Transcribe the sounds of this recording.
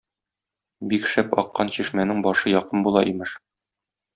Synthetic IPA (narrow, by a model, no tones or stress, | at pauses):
bikʃæpɒ̰qːɑnɕiʃmænɘŋbɒʃɤjɒqɤnbulˠɑʔimɘʃ